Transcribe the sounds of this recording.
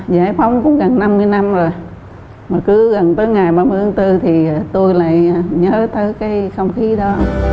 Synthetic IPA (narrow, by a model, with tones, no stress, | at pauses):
za̰ː˧˩˦jfa˨˦wŋ͡mkʊ̰˧˥ŋ͡mɣə˨˩nna˧mːɨ˧əjna˧mzo˨˩j | maː˨˩kɨ˨˦ɣə˨˩nt̪əː˨˦jŋa˨˩jɓaː˧mɨ˧ət̪ʰaː˨˦ŋt̪ɨ˧t̪ʰi˨˩˨t̪u˧jla̰ː˧˨jɲəː˨˦t̪əː˨˦jkaː˨˦jxə˧wŋ͡mxi˨˦ɗɔ˨˦